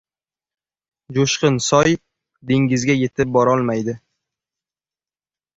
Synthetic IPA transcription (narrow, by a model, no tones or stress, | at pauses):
d͡ʒoʃqɨnsɒj | d̪eŋɡʲɪzɡʲaje̞t̪ʰɪp̚bɒɾɒlˠmajd̪ɪ